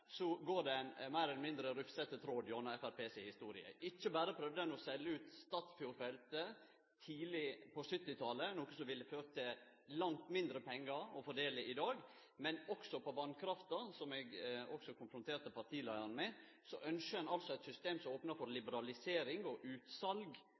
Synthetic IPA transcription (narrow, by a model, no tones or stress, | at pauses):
sɔɡoːɖɛnmæɪɾɛlmɪnd̪ɾəɾʉfsɛt̪ət̪ʰɾoːd̪jɔnɑɛfæɾpʰeːsɪhɪst̪uːɾɪə̰ʔɪçːəbæːɾəpʰɾœʋd̪əɛnɔsɛlːəʉːt̪st̪ɑːt̪sbjuːɾfɛlt̪ə | t̪ʰiːlɪpʰɔsʏt̪ːɪt̪ʰɑlənoːkəsɔʋɪlːəføːɾət̪ʰɪl | lɑŋt̪mɪnd̪ɾəpʰɛŋːɑɾɔfɔɖeːlɪʔɪd̪ɑːɡ | mɛnɔksɔpʰɔʋɑnkʰɾɑft̪ɑsɔmɛɡɔksɔkʰʊnfɾʊnt̪ʰeːɾt̪əpʰɑɾt̪ʰiːlæɪɑnəmɛ | sɔʔœnʃəɛnɑlsɔæɪt̪sʏst̪eːmsɔmoːpnɑfɔɾlɪbəɾɑlɪseːɾɪŋɔʔʉːt̪sɑlɡ